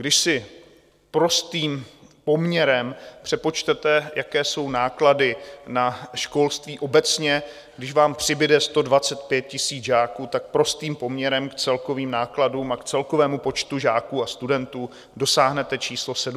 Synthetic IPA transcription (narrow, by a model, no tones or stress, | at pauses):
ɡdɪʃsɪ | pɾo̞st̪iːmpo̞mɲɛɾɛmpr̝̥ɛpo̞t͡ʃt̪ɛt̪ɛjakɛːso̞wnaːkladɪnaʃko̞lst̪viːʔo̞bɛt͡sɲɛ | ɡdɪʃvaːmpr̝̥ɪbɪdɛst̪o̞dvat͡sɛt̪̚pjɛt̪̚cɪsiːd͡zʒaːkuːt̪ak̚pɾost̪iːmpo̞mɲɛɾɛmkt͡sɛlko̞viːmnaːkladuːmakt͡sɛlko̞vɛːmupo̞t͡ʃt̪uʒaːkuːast̪udɛnt̪uː | do̞saːɦnɛt̪ɛt͡ʃiːslo̞sɛ